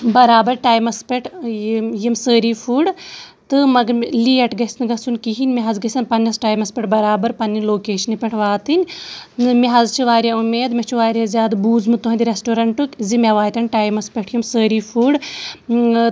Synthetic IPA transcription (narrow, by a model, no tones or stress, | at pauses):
bɐɾaːbɐɾʈaːjmɐspʲeʈʰjimsəːɾifʰuːɖt̪ɨmɐɡɐɾliːɐʈɡɐsnɨɡɐsunʲkiɦinʲmʲiɦɐzɡɐsʲɐnpɐnʲːɐsʈaːjmɐspʲeʈbɐɾaːbɐɾpɐnʲːinʲloːkeːʃɐnipʲɐʈʰʋaːt̪ɨnʲ | mʲiɦɐzt͡ʃʰiʋaːɾʲjaumeːd̪mʲɐt͡ʃʰiʋaːɾʲazʲaːd̪buːzmɨt̪oɦɐnʲd̪ʲɾʲesʈoːɾɐɳʈukʲzimʲaʋaːjt̪ɐnʲʈaːjmɐspʲeʈʰjimsəːɾiːfʰuːɖ